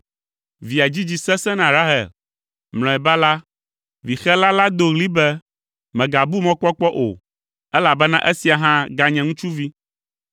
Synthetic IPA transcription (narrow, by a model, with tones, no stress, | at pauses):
vi˨a˨d͡ʑi˦d͡ʑi˨sɛ˦sɛ̃˦nã˨ɾa˦ɦɛ̰˨l | ml̃ɔ̃˨ɛ˨ba˦la˦ | vi˨xɛ˦la˦la˦d̪o˨ɣli˦bɛ˦ | mɛ̃˨ɡa˨bu˦mɔ̃˦k͡pɔ˦k͡pɔ˦ʔo̰˨ | ɛ˦la˨bɛ˦nã̰˦ʔɛ˦si˨a˨ɦã˦ɡa˨ɲɛ̃˨ŋũ˦t͡ʃu˦vi˦